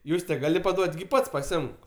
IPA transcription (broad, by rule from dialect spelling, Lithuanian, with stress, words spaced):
ˈjuːsʲtʲɛ ˈɡɑːlʲɪ pɐˈduɔtʲ ɡʲɪ ˈpɐts pɐˈsʲɪɪmk